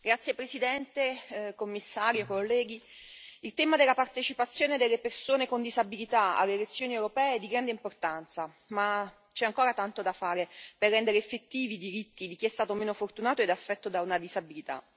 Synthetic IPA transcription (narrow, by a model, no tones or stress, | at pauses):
ɡ̥ɾat̪sjepɾesid̪ɛnt̪ekomːisːaːɾjokolːɛːɡ̟i | ilt̪ɛːmad̪elːapart̪et͡ʃipat̪sːjoːned̪elːepersoːnekond̪izabilit̪aa̰lːelet̪sːjoːniewɾopɛːeɛd̪iɡɾand̪eimport̪ant̪sa | ma | t͡ʃɛaŋkoːɾat̪ant̪od̪afːaːɾeperːɛnd̪eɾeːfːet̪ːiːvid̪iɾit̪ːid̪ik̟iɛst̪aːt̪omeːnofort̪unaːt̪oed̪afːɛt̪ːod̪aunad̪izabilit̪a̰